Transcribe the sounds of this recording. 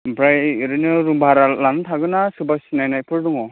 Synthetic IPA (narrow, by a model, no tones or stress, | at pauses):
bɾajɾɯnɯɾumbʱaɾalantʰaɡɯnasɯbasinajnajpʰɯɾduŋɔ